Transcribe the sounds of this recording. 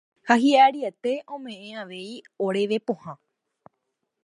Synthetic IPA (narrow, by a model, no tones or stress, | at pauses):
haɦiaaɾiet̪e̞ʔõ̞mẽ̞ʔẽaʋe̞i | oɾe̞ʋe̞põhã